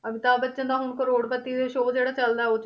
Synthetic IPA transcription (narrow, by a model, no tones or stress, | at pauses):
əbɪt̪aːbətːt͡ʃə̃nd̪aːɦʊɳkəɾoːɽpət̪ːiːd̪eːʃoːd͡ʒeːɽaːt͡ʃəld̪aːot͡ʃ